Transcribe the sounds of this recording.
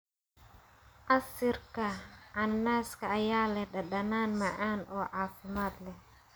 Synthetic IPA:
ʔɐsɪrkʰɐʕɑnːaːskʰɐːjaːlɛhɖɐɗɐnaːnmɐʕaːnʔɔːʕaːfɪmaːd̪lɛh

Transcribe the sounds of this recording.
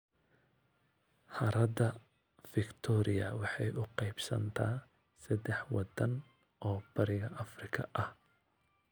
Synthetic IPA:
ħɐɾɐd̪ɐ | fɪkt̪ʰɔːɾɪɐwɑħɑjʔʊqɑjbsɐ̰nt̪ʰaː | sɐd̪ɛħwɑd̪ɐn | ʔɔːb̥ɐɾɪɣɐʔɐfrɪkʰɐʔɐh

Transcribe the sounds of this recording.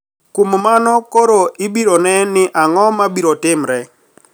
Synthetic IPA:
kummanɔkoɾoɪbiɾonɛnɪʔaŋɔmabiɾotɪmɾɛ

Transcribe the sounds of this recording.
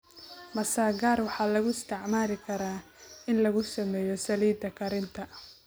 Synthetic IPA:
mɐsaːɡaːrwɑħɑːlɐɣʊɪst̪ʰɛʕmaːlɪkʰɐɾaː | ɪnlɐɣʊsɐmɛːjɔsɐliːd̪ɐkʰɐɾɪnt̪ʰɐ

